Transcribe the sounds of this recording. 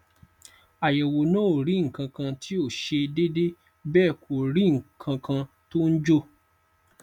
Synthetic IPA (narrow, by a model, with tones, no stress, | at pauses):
a˨jɛ˨wo˨nãː˦o˨ɾĩ˨˦ŋ̩˨kã˧kã˧tʰi˦o˦˨ʃe˧de˦de˦ | bɛː˦˨kʰo˨ɾĩ˦ŋ̩˨kʰã˧kʰã˧ | to˦n̩˦d͡ʒo˦˨